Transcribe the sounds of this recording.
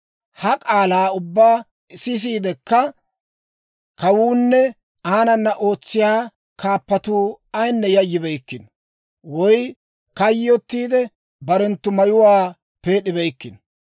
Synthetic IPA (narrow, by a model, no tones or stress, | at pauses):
hɐkʼaːlaːʊbːaː | ɪsɪs̬iːd̪ɛkːɐ | kɐwuːnːɛ | aːnɐnːɐʔo̞ːt͡sːɪjaː | kaːpːɐt̪uː | ɐjnːɛjɐjːɪbɛjkːɪn | wɔj | kɐjɔt̪ːiːd̪ɛ | bɐɾɛnt̪ːʊmɐjʊwaː | pe̞ːɗɪbɛjkːɪn